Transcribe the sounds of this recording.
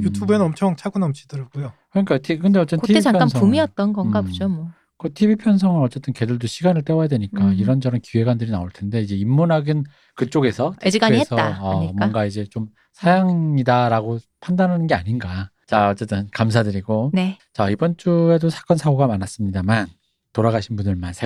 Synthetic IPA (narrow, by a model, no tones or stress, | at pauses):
jutʰubeʌmt͡ɕʰʌŋt͡ɕʰaɡunʌmt͡ɕʰi̥dɯɾʌɡujokɯɲik͈atʰikɯnde̞ʌt͡ɕ͈etotʰieit͡ɕajk͈ansʰpumiʌt̚t͈ʌnɡʌnɡabod͡ʑomʌ | kɯtʰibipʰjʌnsʰʌŋɯnʌt͡ɕ͈e̞t͈ɯnke̞dɯɭdoɕʰiɡanɯɭt͈e̞wʌjadwe̞ɲik͈aiɾʌnd͡ʑʌɾʌmkie̞ɡwandɯɾinaoɭtʰe̞nde̞id͡ʑe̞imːunaɡin | kɯt͡ɕ͈oɡe̞sʰʌtʰɡaɲiesʰʌaːmanɡaid͡ʑe̞t͡ɕom | sʰajaŋɲidaɾaɡopʰandanɦanɯnɡe̞aɲinɡa | t͡ɕaʌt͡ɕ͈e̞t͈ɯnkamsʰadɯɾiɡonet͡ɕaibʌnt͡ɕ͈ue̞dosʰḁk͈ʌnsʰaɡoɡamanas͈ɯmɲidaman | toɾaɡaɕʰinbundɯɭmansʰe